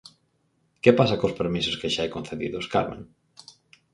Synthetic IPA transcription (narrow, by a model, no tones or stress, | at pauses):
kepasakospeɾmisʊskeʃaejkonθeðḭðʊskaɾmḛ̃ŋ